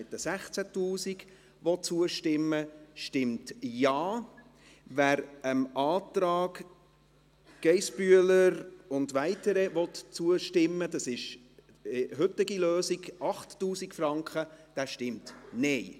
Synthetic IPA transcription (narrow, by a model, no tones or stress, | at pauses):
ɪt̚d̥əsæχt͡sætuːsiɡ | ʋɔt̚t͡suəʃtɪmːəʃtɪmtjɑː | ʋæːɾəmɑːtɾɑːɡ | ɡ̥ɛɪsb̥yələɾʊndʋæɪtəɾɛʋɔtt͡suəʃtɪmːəd̥ɑsɪʃ | ɪɦʏtɪɡiløːsiɡɑχtːuːsikfɾɑŋkχəd̥æʃtɪmtnɛɪ